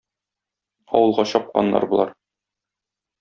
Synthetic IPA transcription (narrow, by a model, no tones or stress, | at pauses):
ɒ̰wɤ̆lˠʁɑɕɒp̚qɑ̰nːɑ̰ɾbŭlˠɑɾ